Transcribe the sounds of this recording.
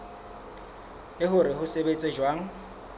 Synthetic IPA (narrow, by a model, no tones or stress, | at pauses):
lɪɦʊɾɪɦʊsebet͡sʼed͡ʒwaːŋ̩